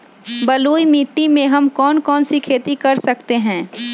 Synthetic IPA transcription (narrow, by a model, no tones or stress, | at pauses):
bɐluːimiːʈːimẽɦɐmkɔːnkɔːnsikʰeːt̪ikɐɾsɐkt̪eɦɛ̃ː